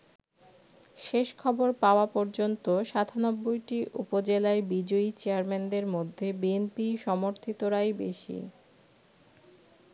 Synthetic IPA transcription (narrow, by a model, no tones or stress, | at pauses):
ʃeʃkʰɔboɾpaoapɔɾd͡ʑont̪oʃat̪ʰanɔbːojʈiʔupod͡ʑelaebid͡ʑoit͡ɕeaɾmend̪eɾmod̪ʱːebienpiʃɔmoɾt̪ʰit̪oɾajbeʃḭ